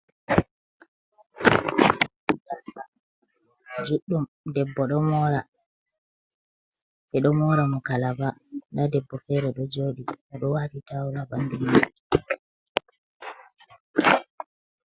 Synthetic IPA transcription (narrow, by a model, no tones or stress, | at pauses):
ɡalsa | d͡ʒuɗːum | dɛbːɔɗɔmɔːɾa | ɛɗɔmɔːɾamɔkalabandadɛbːɔfɛɾɛɗɔd͡ʒoːɗimɔɗɔwaːtitawlabanduma